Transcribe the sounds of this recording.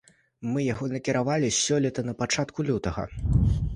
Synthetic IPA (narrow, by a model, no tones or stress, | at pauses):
mɨjaɣɔnɐkʲiɾavalʲisʲɔlʲɛt̪ɐnɐpat͡ʂat̪kulʲut̪ɐɣɐ̰